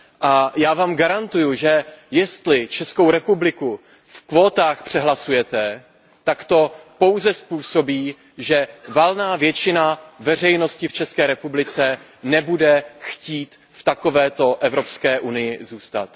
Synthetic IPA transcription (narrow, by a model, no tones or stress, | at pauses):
ʔajaːvaːmɡaɾant̪ujuʒɛjɛst̪lɪt͡ʃɛsko̞wɾɛpublɪku | fkvo̞ːt̪aːxpr̥ɛɦlasujɛt̪ɛ | t̪akt̪o̞po̞wzɛspuːso̞biː | ʒɛvalnaːvjɛt͡ʃɪnavɛr̝ɛjno̞scɪft͡ʃɛskɛːɾɛpublɪt͡sɛ | nɛbudɛxciːt̪ | ft̪ako̞vɛːt̪o̞ʔɛvɾo̞pskɛːʔunɪjɪzuːst̪a̰t̪